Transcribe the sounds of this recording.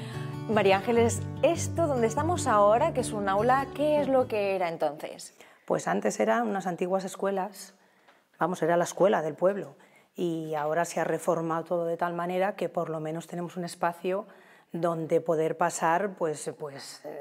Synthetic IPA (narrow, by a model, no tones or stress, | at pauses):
maɾiaaŋxele̞se̞st̪oðo̞nd̪est̪amo̞saoɾakesunawlake̞ezlo̞ke̞eɾaent̪o̞nθḛs | pwe̞̰sant̪e̞se̞ɾaunasant̪iɣwase̞skwe̞las | bamo̞se̞ɾalaeskwe̞laðe̞lpwe̞β̞lo̞ | iao̞ɾaseare̞fo̞ɾmaot̪o̞ð̞oðe̞t̪almãne̞ɾake̞po̞ɾlo̞mẽno̞st̪e̞ne̞mo̞sune̞spaθjo | ðo̞nd̪e̞po̞ð̞e̞ɾpasaɾpwe̞spwe̞s